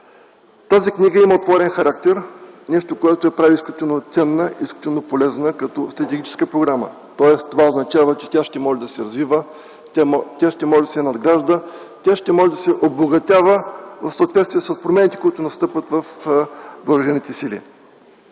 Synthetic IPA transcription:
t̪aziknʲiɡəiməot̪vɔɾɛnxɐɾakt̪ɛɾnɛʃt̪okoɛt̪oɛpɾaviːsklʲʊt̪inot̪sɛnːəʔiːsklʲut̪inopolɛznəkɐt̪ɔst̪ɾɐt̪ɛɡʲit͡ʃɛ̥skəpɾoɡɾamə̰ | t̪ɔɛst̪ovaoznɐt͡ʃavət͡ʃɛt̪ʲaʃt̪ɛmɔʒɛd̪ɐsɛɾɐzvivə | tʲaʃt̪ɛmɔʒʲd̪ɐsɛnɐd̪ɡɾaʒd̪ə | t̪ʲaʃt̪ɛmɔʒɛd̪ɐsɛʔoboɡɐt̪ʲavəvɐfsəoːt̪vɛt̪st̪vʲiɛsəspɾomɛnit̪ɛ̥kʊit̪ʊnɐst̪ɤpvət̪vɐf | voɾəʒɛnit̪ɛsilḭ

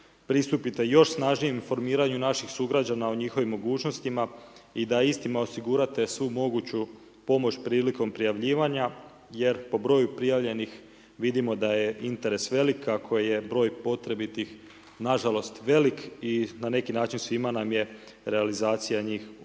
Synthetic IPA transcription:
pɾist̪upit̪e̞jo̞ʃsnaʒnijemfo̞ɾmiːɾaɲunaʃixsuɡɾad͡ʑanao̞ɲixo̞ʋimːo̞ɡuːt͡ʃno̞st̪imaid̪aist̪imao̞siɡuɾat̪e̞sʋumo̞ɡut͡ɕu | po̞mo̞t͡ɕpɾiːliko̞mpɾijaʋʎiːʋaɲa | je̞ɾpo̞bɾo̞ːjupɾijaʋʎe̞nix | ʋid̪imo̞d̪aje̞ʔint̪e̞ɾe̞sʋe̞likʰːakʰojje̞bɾo̞ːjpo̞t̪ɾe̞bit̪ix | naʒalo̞st̪ʋe̞likinane̞kinaːt͡ʃinsʋimanamje̞ | ɾe̞alizaːt̪sijaɲiːx

